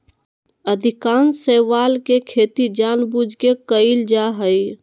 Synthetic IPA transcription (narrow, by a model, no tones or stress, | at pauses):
əd̪ʱikaːnsəʋaːlkekʰeːt̪id͡ʒaːnbud͡ʒʱkekəɪld͡ʒaɦəj